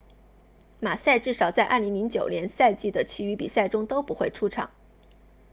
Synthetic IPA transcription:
ma˨˩sa˥˧ɪʈ͡ʂɻ̩˥˩ʂɑ˨˩ʊt͡sa˥˧ɪʔɐ̰˥˩li˧˥ŋli˧˥ŋt͡ɕjo˨˩ʊnjɛ˧˥nsa˥˧ɪt͡ɕi˥˩d̪ə˩t͡ɕʰi˧˥y˧˥pḭ˨˩sa˥˩ɪʈ͡ʂʊ˥ŋt̪o˥ʊpu˧˥xwe˥˩ɪʈ͡ʂʰu˥ʈ͡ʂʰɑ̰˨˩˦ŋ

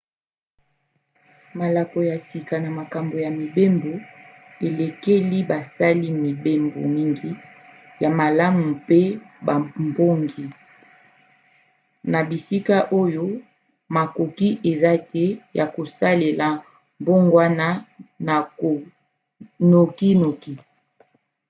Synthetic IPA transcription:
ma˨la˨ko˨ja˨si˨ka˨na˨ma˨ka˨mbo˨ja˨mi˨be˦mbo˨ | e˨le˨ke˦li˦ba˨sa˦li˦mi˨be˦mbo̰˨mi˦ŋɡi˦ | ja˨ma˨la˦mu˨pe˦ba˨mbo˦ŋɡi˨ | na˨bi˨si˦ka˦ʔo˦jo˦ | ma˨ko˨ki˦ʔe˨za˦tɛ˦ja˨ko˨sa˦le˨la˨ | mbo˦ŋɡwa˦na˦na˨ko˨ | no˨ki˦no˨ki˦

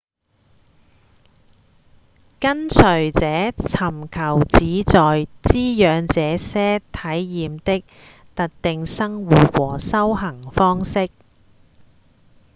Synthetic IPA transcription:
kɐ˥nt͡sʰɵ˨˩ɥt͡sɛː˨˥t͡sʰɐ˨˩mkʰɐ˨˩wt͡siː˨˥t͡sɔː˨jt͡siː˥jœː˨˧ŋt͡sɛː˨˧˥sɛː˥t̪ʰɐ˨˥jːiː˨mt̪ɪ˥k̚ | t̪ɐ˥k̚t̪ɪ˨ŋsɐ˥ŋwuː˨t̚wɔː˨˩sɐ˥whɐ˨˩ŋfɔː˥ŋsɪ˥k̚

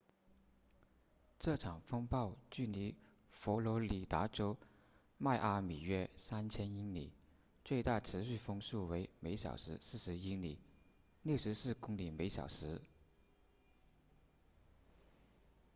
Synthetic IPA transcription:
ʈ͡ʂɤ˥˩ʈ͡ʂʰɑ˨˩ŋfɤ˥ŋpɑ˥˧ʊt͡ɕy˥˩ni˧˥ | fɔ˧˥lɔ˧˥li˨˩t̪a˧˥ʈ͡ʂo˥ʊ | ma˥˧ɪʔa˥mi˨˩ɥɛ˥sa˥nt͡ɕʰjɛ˥ni˥nlḭ˨˩˦ | t͡swe˥˧ɪt̪a˥˩ʈ͡ʂʰɻ̩˧˥ɕy˥˩fɤ˥ŋsu˥˩we˧˥ɪme˧˥ɪɕjɑ̰˨˩ʊʂɻ̩˧˥sɹ̩˥˩ʂɻ̩˧˥i˥li˨˩˦ | ljo˥˩ʊʂɻ̩˧˥sɹ̩˥˩kʊ˥ŋli˨˩me˧˥ɪɕjɑ̰˨˩ʊʂɻ̩˧˥

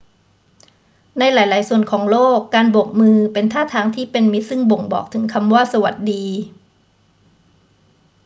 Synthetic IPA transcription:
na˧jlaː˩˦jlaː˩˦jsu˨˩ənkʰɔː˩˦ŋloː˥˩kːaː˧nbo˨˩k̚mɯː˧pe˧nt̪ʰaː˥˩t̪ʰaː˧ŋt̪ʰiː˥˩pe˧nmi˦˥t̪̚sɯ˥˩ŋbo˨˩ŋbɔ̰ː˨˩k̚t̪ʰɯ˩˦ŋkʰa˧mwaː˥˩sa˧wa˨˩t̪̚diː˧

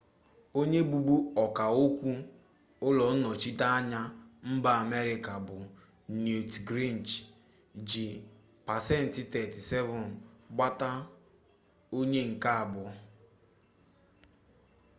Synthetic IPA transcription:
o˦ɲe˦bu˨bu˦ɔ˨ka˨o˦kʷu˦ | ʊ˦lɔ˨n̩˦nɔ˨t͡ʃi˦ta˦a˦ɲa˦m̩˦ba˦a˨me˦ɾɪ˨ka˨bʊ˨ | no˨tɡɾi˦˨n˨t͡ʃ | d͡ʒi˨ | pa˨sɛ˦n̩˨tɪ˦tɛ˨ti˨sɛ˦vɔ˨n˨ɡ͡ba˦ta˦ | o˦ɲe˦ŋ̩˨ka˦a˨bʊ˨˦

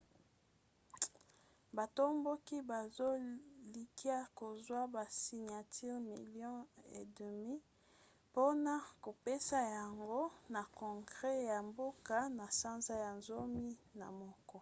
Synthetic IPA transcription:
ba˨to˦mbo˦ki˦ba˨zo˦li˨ki˦a˦ko˨zwa˦ba˨si˨ɲa˨tʰi˦ʁmi˨ljɔ̃˦ḛ˨də˨mi˦ | po˦na˨ko˨pe˦sa˦ja˨ŋɡo˦na˨kɔ̃˨ŋɡʁɛ˦ja˨mbo˦ka˦na˨sa˦nza˦ja˨nzo˦mi˦na̰˨mɔ˦kɔ˦

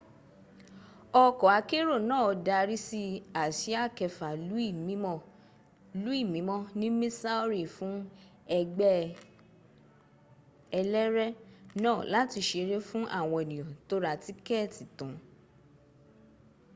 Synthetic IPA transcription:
ɔ˧kɔ˨a˨˧˦ke˦ɾo˦˨nãː˦˨ɔ˨˧da˧ɾi˦si˦a˨ʃi˨˦a˦˨kɛ˨fa˨lu˨˦i˦˨m˦˨ | lu˨˦i˦˨mĩ˨˦mɔ̃˦nĩ˦mĩ˦sa˦o˦ɾi˦˨fũ˨˦ɛ˧ɡ͡bɛ˦ | ɛ˧lɛ˦ɾɛ˦nãː˦˨la˨˦ti˧ʃe˧ɾe˦fũ˦ʔa̰˦˨w̃ɔ̃˨ɛ˨nĩ˨ɔ̃˨to˦ɾa˦˨ti˨˦kɛ˦˨ti˨tɔ̃˨˦

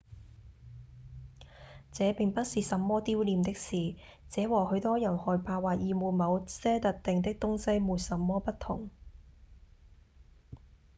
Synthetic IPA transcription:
t͡sɛː˨˧˦pɪ˨ŋpɐ˥t̚siː˨sɐ˨˥mːɔː˥t̪iː˥wliː˨˧mt̪ɪ˥k̚siː˨t͡sɛː˨˧˥wɔː˨˩hɵ˨˧˥ɥt̪ɔː˥jɐ˨˩nhɔː˨˩jpaː˧waː˨t̚jiː˨˧muː˨˩nmɐ˨˧wsɛː˥t̪ɐ˨t̚t̪ɪ˨ŋt̪̬ɪ˥k̚t̪ʊ˥ŋsɐ˥jmuː˨t̚sɐ˨˧˥mːɔː˥pɐ˥t̚t̪ʰʊ˨˩ŋ

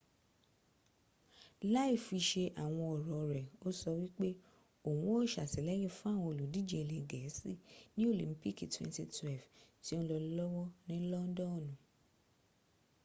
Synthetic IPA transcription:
la˦i˦˨fi˧ʃe˧ʔa˨w̃ɔ̃˧ɔ˨ɾɔ˨˧ɾɛ˨o˦sɔ˧wi˦k͡pe˦ | o˨wũ˦o˦˨ʃa˨si˨˦lɛ˨˦ɾĩ˦˨fũ˦a˦˨w̃ɔ̃˧o˨lu˨di˨˦d͡ʒe˦˧e˨le˨ɡɛ˨˦si˦˨nĩ˦o˦˨lḭ̃˨˦m̩˦pi˦˨ki˨twɛ̰̃˧ntḭ˧twɛ˦˨lvti˦õ˦lɔ˧˦lɔ˦wɔ˦nĩ˦lɔ˦n̩˦dɔ̃˦˨nũ˨

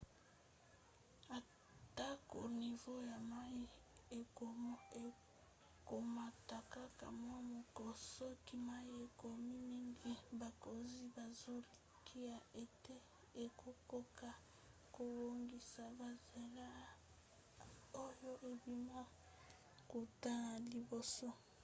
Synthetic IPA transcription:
a˨ | ta˦ko̰˨ni˨vo˦ja˨ma˦ji˦ | e˨e˨ | ko˨ma˨ta˨ka˦ka̰˨mwa˦mo˨ko˨so˦ki˦ma˦i˦e˨ko˨mi˦mi˦ŋɡi˦ba˨ko˨zi˦ba˨zo˦li˨kʰi˦ja˨ʔe˨te˦ | e˨kʰo˦ko˦ka˨ | ko˨bo˦ŋɡi˨sa˨ba˨ze˨la˦ | o˦jo˦ʔe˨bi˨ma˦ | ko˨ta˦˨li˨bo˨so˦

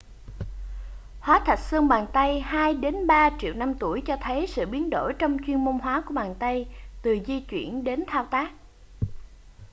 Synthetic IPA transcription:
hwaː˨˦t̪ʰa˨˩t̟̚sɨ˧əŋɓaː˨˩nt̪a˧jhaː˧jɗe˨˦nɓaː˧t͡ɕḭ˧˨əwna˧mt̪u˧˩əjt͡ɕɔ˧t̪ʰə˨˦jsɨ̰˧˨ɓi˨˦ənɗo̰˧˩jt͡ɕɔ˧wŋ͡mt͡ɕwi˧ənmo˧nɦwaː˨˦ku˧˩əɓaː˨˩nt̪a˧jt̪ɨ˨˩zi˧t͡ɕwḭ˧˩ənɗe˨˦nt̪ʰaː˧wt̪aː˦˥k̚

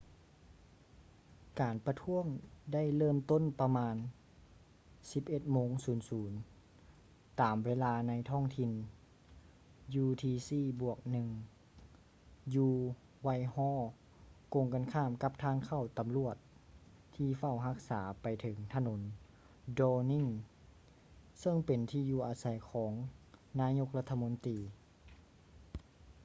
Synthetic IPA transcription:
kaː˨˩npa˧t̪ʰu˧˥əŋda˥˩jlɤː˥˩mt̪o˥˨npa˧maː˧n | si˧˦p̚ʔe˧˥t̪̚moː˧˥ŋsuː˩˦nsuː˩˦n | t̪aː˨˩mweː˧˥˨laː˧na˧˥jt̪ʰɔː˥˩ŋt̪ʰi˧n | juː˧t̪ʰiː˧siː˧˩bu˧˩ək̚nɯ˧ŋ | juː˧ | wa˧˩jhɔː˧˥˨ | ko˧˨ŋka˧˥nkʰaː˧˩˨mka˧p̚t̪ʰaː˧˥˨ŋkʰa˧˩wt̪a˨mlu˧˩ət̪̚ | t̪ʰːiː˧fa˧˩wɦa˧˥k̚saː˩˦pa˨jt̪ʰɤ˩˦ŋt̪ʰa˧no˩˦n | dɔː˧ni˧˥˨ŋ | sɤ˥˧˥ŋpe˨nt̪ʰiː˧˩juː˧ʔaː˨˧sa˨˦jkʰɔː˩˦ŋnaː˧˥˨ɲo˧˥k̚la˧˥t̪ʰːa˧mo˧˦nt̪iː˨

